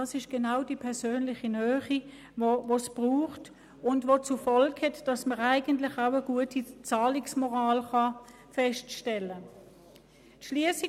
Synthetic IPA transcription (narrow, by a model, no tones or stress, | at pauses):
ɑːsɪʃɡ̥enaʊdipʰɛɐsøːnlɪχinœːχi | vovosb̥ʁuːχt | ʊndvʋot͡sufɔlkhɛtd̥ɑsməʁæɪɡəntlɪχaʊəɡ̥uətʰit͡sɑːlɪksmɔʁaːlχɑ | fɛʃtʃtɛlə | tʃliəsi